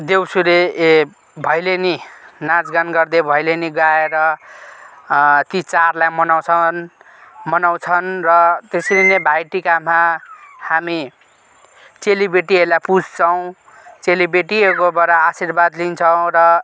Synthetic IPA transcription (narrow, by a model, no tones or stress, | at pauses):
d̪ewsuɾe | bʱʌjleninad͡zɡanɡʌrd̪ebʱʌjleniɡaeɾʌ | t̪it͡sarlajmʌnaw̃t͡sʰʌn | mʌnaw̃t͡sʰʌnrʌt̪eslinebʱajʈikamahami | t͡selibeʈielapud͡zʱt͡sʰʌw̃ | t͡selibeʈiekobʌɾaːsirbad̪lint͡sʰʌw̃ɾʌ